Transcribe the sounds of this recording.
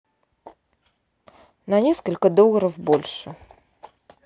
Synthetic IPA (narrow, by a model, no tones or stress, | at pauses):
nɐnʲeskəlʲkəd̪olˠəɾəvbolʲʂə